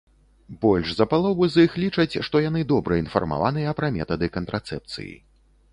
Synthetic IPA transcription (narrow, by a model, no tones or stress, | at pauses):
bɔlʲʐzɐpalˠɔvɨzixlʲit͡ʂɐt͡sʲʂt̪ɔjan̪ɨd̪ɔbɾɐinfɐ̰rma̰vanɨjɛɐpɾɐmʲɛ̰t̪ɐd̪ɨkɐnt̪ɾʔat̪sɛp̚t̪sɨ̰jḭ